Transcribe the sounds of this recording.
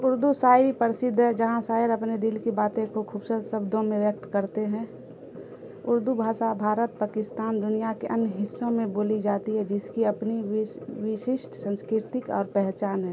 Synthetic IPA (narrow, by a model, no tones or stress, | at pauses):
ʊɾd̪usaːɪɾipəɾɪsɪd̪ʱːɦɛd͡ʒɐɦãsaːɪɾəpned̪ɪlkibaːt̪ẽkokʰuːbsəsəbd̪ʱõmẽʋjək̚t̪kəɾt̪eɦɛ̃ | ʊɾd̪ubʱaːsabʱaːɾət̪̚paːkɪst̪aːnd̪ʊnijakeʔənjɦɪsːõmẽboːlid͡ʒaːt̪iɦɛd͡ʒɪskiɐpniʋɪʃɪʃʈsə̃nskɪɾt̪ɪkɔ̰ːɾpɛɦt͡ʃaːnɦɛː